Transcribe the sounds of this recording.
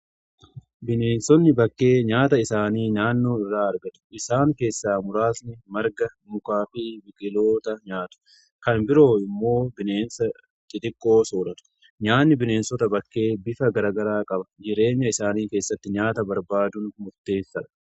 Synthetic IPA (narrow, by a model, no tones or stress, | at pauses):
bɪne̞ːnsɔnːɪbɐkːe̞ːɲaːt̪ɐɪsaːniːnaːnːo̞ːɪrːaːɐɾɡɐt̪ʊ̥ʔɪsaːŋke̞ːsːaːmʊɾaːsnɪmɐɾɡɐmʊkaːfiːbɪkʼɪlo̞ːt̪ɐɲaːt̪ʊ̥ | kɐnbɪɾo̞ːɪmːo̞ːbɪne̞ːnsɐ | t̪ʼɪt̪ʼɪkʼːo̞ːsoːɾɐt̪ʊ̥ | ɲaːnːɪbɪne̞ːnsɔt̪ɐbɐkːe̞ːbɪfɐɡɐɾaːɡɐɾaːkʼɐbɐd͡ʒɪɾe̞ːɲːɐɪsaːniːke̞ːsːɐt̪ːɪɲaːt̪ɐbɐɾbaːd̪ʊnmʊɾt̪e̞ːsːɐᶑ̪ɐ̥